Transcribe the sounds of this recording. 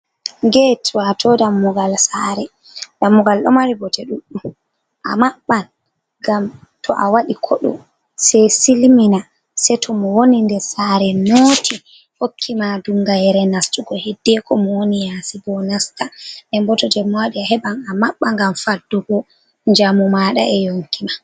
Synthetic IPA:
ŋɡɛtʰɔatʰɔdamːuɡalsaɾɛ | damːuɡalɗɔ̰maɾibɔtɛɗuɗum | ʔa̰maɓːan | ɡam | tʰɔʔawaɗikʰɔɗɔ̰ | sɛsilmina | sɛtʰɔmɔwonindɛsaɾɛnoːtʰi | hokʰːimadumɡajɛɾɛnastuɡɔhɛdːɛkɔmɔwonijasibɔnastaɗɛmbɔtɔdɛmːɔwaɗiaɦɛbanamaɓːaŋɡamfadːɔbɔ | nd͡ʒamɔmaɗa̰ɛjoŋkima

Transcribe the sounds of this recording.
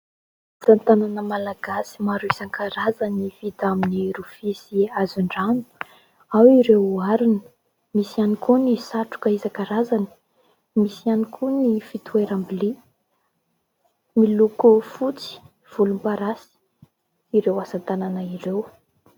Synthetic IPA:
asant̪ananəmalaɡasi̥maɾuisaŋkaɾazanivit̪aminiɾufisiazuɳɖ͡ʐanu̥ | awiɾewaɾunə̥ | misianikʰunisaʈ͡ʂu̥kəizakaɾazanə̥ | misianikʰunifit̪ueɾambili | milukufut͡si̥ | v̥ulumpaɾasi̥ | iɾewasant̪ananəirew

